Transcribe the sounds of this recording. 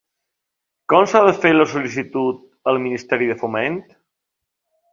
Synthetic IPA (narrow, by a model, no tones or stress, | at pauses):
kɔmsaðəfeləsulis̬it̪ut̪̚ | əlˠminist̪ɛɾiðəfoment̪